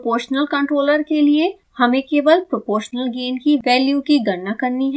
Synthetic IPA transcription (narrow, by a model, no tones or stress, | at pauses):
poːɾʃnəlkɐ̃ɳʈɾoːləɾkelie | hɐmẽkeːʋəlpɾopoːɾʃnəlɡeːnkiʋɛːljukiɡɐɾnakɐɾniɦɛ